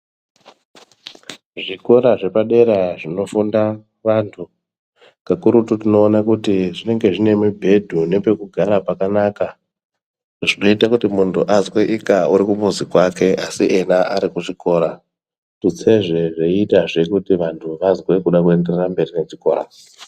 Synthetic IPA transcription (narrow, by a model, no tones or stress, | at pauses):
ʐiko̞ɾaʐe̞paɗe̞ɾaʐino̞funda | ʋantʰu | kakuɾututino̞ːnakutiʐine̞ŋɡe̞ʐine̞mwubʱe̞dʱune̞pe̞kuɡʱaɾapakanaka | ʐino̞itakutimuntʰuʔazweʔikauɾikumuzikwake̞ʔasiʔenaʔaɾikuʐiko̞ɾa | tut͡se̞ʐe̞ʐeitaʐe̞kutiʋantʰuʋazwe̞kuɗakue̞nde̞rerambe̞rine̞ʐiko̰ɾa̰